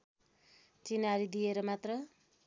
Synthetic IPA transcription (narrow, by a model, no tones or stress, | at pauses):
t͡sinaɾid̪ijeɾʌmat̪rʌ